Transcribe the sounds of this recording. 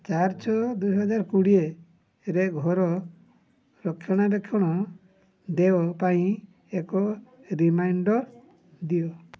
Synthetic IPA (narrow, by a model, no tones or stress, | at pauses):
t͡ʃaɾt͡ʃɔd̪ujɦɔd͡ʒaɾkuɽieː | ɾeɡʱɔɾɔ | ɾɔkʰːjɔɽ̃aɾekʰjɔɽ̃ɔ | d̪eɔpaĩ | ekɔ | ɾimajɳɖɔ | d̪iɔ